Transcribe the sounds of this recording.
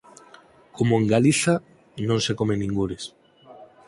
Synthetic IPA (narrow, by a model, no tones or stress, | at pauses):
komoeŋɡaliθa | nõnsekomenĩŋɡuɾes